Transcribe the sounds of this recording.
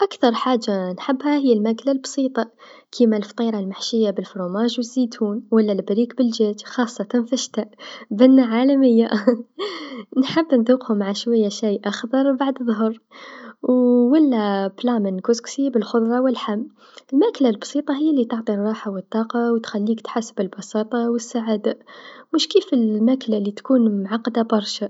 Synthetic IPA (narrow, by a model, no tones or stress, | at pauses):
ʔakθɑɾˤħaːd͡ʒːanħɪbːhahɪjːalmaklalbsˤiːt̪ˤɑ | kʰimalft̪ˤiːɾˤɑlmaħʃɪjːabɪlfɾˤuːmaːʒwɪzːiːt̪ʰuːnwalːalbɾiːkbɪld͡ʒeːd͡ʒxɑːsˤːɑt̪anfaʃt̪aʔbɪnːaʕaːlamɪjːa | nħɪbːnd̪ˤuːqhʊmʕaʃwajːaʃijːʔaxd̪ɑɾˤbaʕd̪ðˤʊɦəɾˤwwælːæblɑmənkusksibəlxʊd̪ˤɾˤɑwəlħamː | əlmæklalbsˤiːt̪ˤɑɦɪjːalːit̪ɑʕt̪ˤiɾˤɑːħawət̪ˤːɑːqɑwt̪xælːiːkt̪ħasbəlbɑsɑːt̪ˤɑwəsːaʕaːd̪amʊʃkifəlmæklalit̪kuːnmʕɑqːd̪abɑɾˤʃa